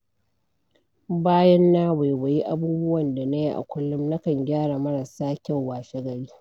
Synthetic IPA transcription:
baː˦jɐ˦nːaː˦wa˨jwa˨ji˦ʔa˦buː˦bʊ˦wɐ˨nda˨na˦ji˦ʔa̰˨kʷʊ˦lːʊ˦mnɐ˦kɐ˨ŋɡʲaː˦ɽa˨mɐ˦ɽɐ˨saː˦kʲa˦˨wwaː˨ʃe˦ɡɐ˨ɽiː˦

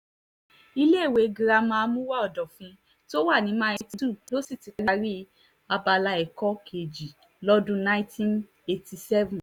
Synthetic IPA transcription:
i˧le˦˨we˨˧ɡĩ˧ɾa˧mãː˧mũ˦wa˦ɔ˦˨dɔ˨fĩ˧ | to˦wa˦˨nĩ˨˦mã˦ɛ˧ti˧˦du˦˨lo˦si˦˨ti˨˧ɡa˧ɾi˦ | a˧ba˧la˧ɛ˨kɔ˦kʰe˨d͡ʒi˨ | lɔ˦dũ˦nã˦ĩ˦tĩ˦n | e˧ti˧sɛ˦vũ˨

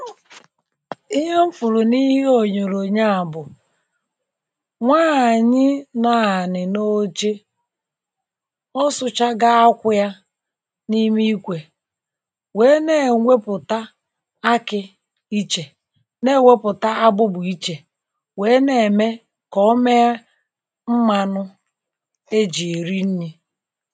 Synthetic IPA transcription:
i˦ɦe˦m̩˦fʊ˨ɾʊ˨ni˦ɦi˦o˨ɲo˨ɾo˨ɲa˦a˨bʊ˨ | ŋʷaː˦˨ɲɪ˦na˨a˨nɪ˨no˦t͡ʃe˦ | ɔ˦sʊ˦t͡ʃa˦ɡa˦a˦kʷʊ˦ja˦ | ni˦mi˦i˦kʷe˨ | we˨˦ne˦˨ŋʷe˦pʊ˨ta˦ | a˦kɪ˦ | i˦t͡ʃe˨ | ne˦˨ŋʷe˦pʊ˨ta˦a˦bʊ˦bʊ˨i˦t͡ʃe˨ | we˨˦ne˨me˦ | kɔ˦me˦a˦ | m̩˦ma˨nʊ˦ | e˦d͡ʒi˨e˨ɾi˦n̩˦ɲi˦

